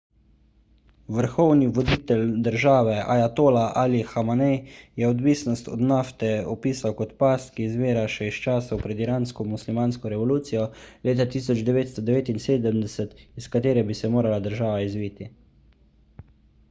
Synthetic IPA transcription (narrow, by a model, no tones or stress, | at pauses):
ʋəɾxɔwniʋɔd̪iːt̪ɛld̪əɾʒaːʋɛa̰jat̪oːlaʔaːlixamanɛjjɛɔd̪ʋiːsnɔst̪ɔ̰d̪naft̪ɛɔpiːsawkɔt̪past̪kizʋeːɾaʃɛist͡ʃaːsawpɾɛd̪iɾaːnskɔmuslimaːnskɔɾɛʋɔluːt̪sijɔleːt̪at̪iːsɔd͡ʒd̪ɛʋeːt̪st̪ɔd̪ɛʋeːt̪inseːd̪əmd̪ɛsət̪iskat̪eːɾɛbisɛmoːɾalad̪əɾʒaːʋaizʋiːt̪i